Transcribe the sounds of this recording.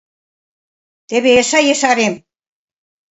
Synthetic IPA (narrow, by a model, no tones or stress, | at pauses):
t̪eβeːʃajesaɾem